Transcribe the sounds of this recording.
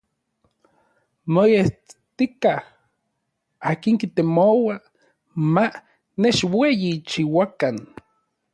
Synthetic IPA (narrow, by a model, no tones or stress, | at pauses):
mojeht̪ikah | aːkiŋkit̪emowa | ma | neʃwejit͡ʃiwakan